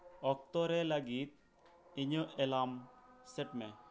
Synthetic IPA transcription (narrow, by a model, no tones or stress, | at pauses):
ɔk̚t̪ɔɾɛləɡit̪̚ | iɲəʔɛlamsɛʈmɛ